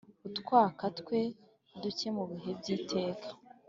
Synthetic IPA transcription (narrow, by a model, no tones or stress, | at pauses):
utkwaːkatkwe̞ | duce̞muβiɦe̞bɟiːtʰe̞ːkʰḁ